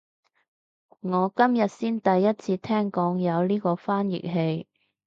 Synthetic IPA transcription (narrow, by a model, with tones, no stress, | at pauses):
ŋɔː˨˧kɐ˥mjɐ˨t̚siː˥nt̪ɐ˨jːɐ˥t̚t͡sʰiː˧t̪ʰɛː˥ŋkɔː˨˥ŋjɐ˨˧wliː˥kɔː˧faː˥njɪ̰˨k̚ɦe˧j